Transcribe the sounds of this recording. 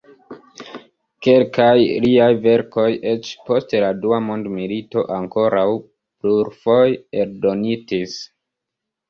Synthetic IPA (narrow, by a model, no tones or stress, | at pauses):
ke̞lkajliajve̞ɾko̞jʔe̞t͡ʃpo̞steladuamo̞ndmilito̞ʔaŋko̞ɾaw | pluɾfo̞jeɾdo̞nitis